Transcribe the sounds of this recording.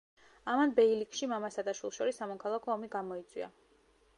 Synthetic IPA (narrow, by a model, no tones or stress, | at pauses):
amanbɛilikʃimamasad̪aʃwilˠʃɔɾisːamɔkʰalˠakʰɔːmiɡamɔit̪sʼwḭa̰